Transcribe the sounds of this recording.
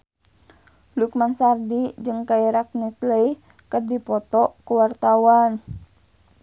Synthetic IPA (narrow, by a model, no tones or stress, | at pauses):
lukmansardid͡ʒɨŋkaiɾak̚nit̪ləi | kərdipɔt̪ɔkuwart̪awan